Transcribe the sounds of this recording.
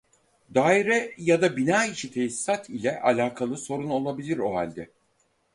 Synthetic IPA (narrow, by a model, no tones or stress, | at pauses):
d̪aːiɾɛjad̪abinaːiʃit̪ʰejisːat̪ʰilʲɛʔalʲaːkʰalˠɯso̞ɾuno̞lˠabilʲiɾoɦa̰lʲd̪ɛ